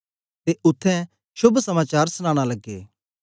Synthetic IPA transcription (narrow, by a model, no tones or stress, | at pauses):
t̪eʔʊt̪ʰːɛ̃ | ʃʊbʱsɐmaːt͡ʃaːɾsʊñaːɽ̃alɐɡːḛː